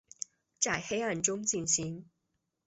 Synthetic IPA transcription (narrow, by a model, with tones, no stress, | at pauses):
t͡sa˥˩ɪxe˥ɪa˥˩nʈ͡ʂʊ˥ŋt͡ɕi˥˩nɕi˧˥ŋ